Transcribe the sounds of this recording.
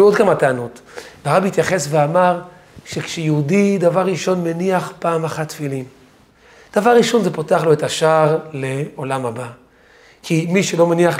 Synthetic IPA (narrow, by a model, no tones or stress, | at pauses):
odkamat̪eanutvaʁabiit̪jaχe̞sveamaʁ | ʃekʃejeudid̪avaʁːiʃo̞nmeniaχpaːmaχat̪ːfilim | d̪̥avaʁːiʃo̞nzepoteaχlo̞et̪aʃaʁle̞o̞lamhaba | kʰimiʃelo̞meniaχ